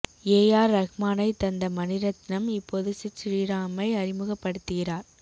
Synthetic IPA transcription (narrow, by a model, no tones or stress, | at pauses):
eːjaːɾːɐɣmaːnɐɪt̪ːɐnd̪ɐmɐnɪɾɐt̪ːɪnɐmɪpːoːðɯsɪt͡ʃːɾiːɾaːmɐɪɐrɪmɯɣɐpːɐɽɯt̪ːɯɣɪraːɾ